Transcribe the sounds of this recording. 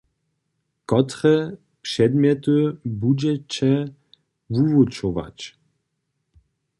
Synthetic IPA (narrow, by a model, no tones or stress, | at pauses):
kɔt̪ɾɛ | pʂɛd̪mʲjɛt̪ubud͡ʑɛt͡ɕɛ | vuvut͡ʃɔva̰t͡ɕ